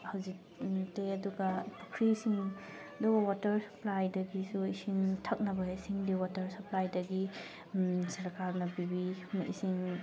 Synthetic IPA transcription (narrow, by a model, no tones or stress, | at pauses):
hawzik̚ | teɐduɡɐpukʰɾisiŋ | ɐdubɐwatɐɾsɐ̥plajdɐɡisuisiŋtʰɐk̚nɐbɐisiŋdiwatɐɾsɐplajdɐɡi | sɐɾkʰaɾnɐbibimḭsiŋ